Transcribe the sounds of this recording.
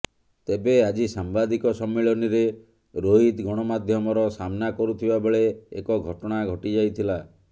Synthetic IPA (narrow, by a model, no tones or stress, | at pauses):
t̪ebead͡ʒisambad̪ikɔsɔmːeɭɔniɾe | ɾoɦit̪ɡʱɔɽ̃ɔmad̪ʱjɔmɔɾɔsamnakɔɾut̪ʰibabeɭeekɔɡʱɔʈɔɽ̃aɡʱɔʈid͡ʒajt̪ʰila